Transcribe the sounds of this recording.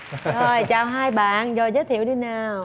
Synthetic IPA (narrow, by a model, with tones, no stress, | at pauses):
zo˨˩jt͡ɕaː˨˩wɦaː˧jɓa̰ː˧˨nzɔ˨˩zəː˨˦jt̪ʰḭ˧˨əwɗi˧naː˨˩w